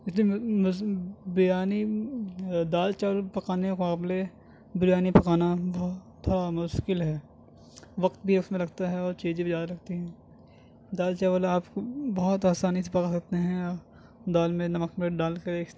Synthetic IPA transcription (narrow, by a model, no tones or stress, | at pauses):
ɪslimʊbɪjaːni | d̪aːlt͡ʃɛʋəlpɐkaːnekaːble | bɪɾjaːnipɐkaːnabɐɦt̪ʰːoːɽamʊʃkɪlɦɛː | ʋɐqt̪̚bʱiʊsmẽlɐɡt̪aɦɛɔːɾt͡ʃeːd͡ʒibizjaːd̪aɾɐɡ̚t̪iɦɛ̃ː | d̪aːlt͡ʃɛːʋəlaːpkobɐɦʊt̪aːsaːnis̬epɐkasɐk̚t̪eɦɛ̃ | d̪aːlmẽnɐməkmeɖaːlkɐɾeː